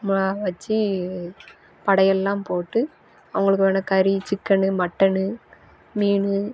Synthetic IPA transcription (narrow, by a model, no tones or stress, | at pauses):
mʊɭaːʋɐt͡ʃːi | pɐɽɐjɛlːãːmpoːʈːɯ | ɐʋɐŋɡɐɭɯkːɯʋeːnɐkɐɾit͡ʃɪkːɐɳɯmɐʈːɐɳɯ | miːɳɯ